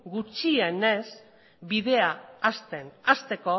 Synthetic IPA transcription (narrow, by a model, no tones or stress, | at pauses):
ɡut͡ʃiene̞s | biðe̞aːst̪enast̪e̞ko̞